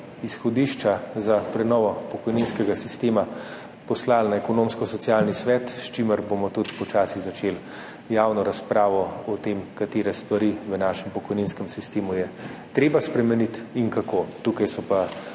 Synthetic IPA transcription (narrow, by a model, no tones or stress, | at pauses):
isxɔd̪iːʃt͡ʃazapɾɛnɔːʋɔpɔkɔjninskɛɡasist̪eːma | pɔslalnaɛkɔnoːmskɔsɔtsijaːlnisʋɛt̪ʃt͡ʃiməɾbomɔt̪ud̪pɔt͡ʃaːsiɣzat͡ʃeːl | jaːwnɔɾaspɾaːʋɔɔt̪emkat̪eːɾɛst̪ʋaɾiʋənaːʃɛmpɔkɔjninskɛmsist̪eːmujɛt̪ɾeːbaspɾɛmɛnit̪iŋkakot̪ukajsɔpa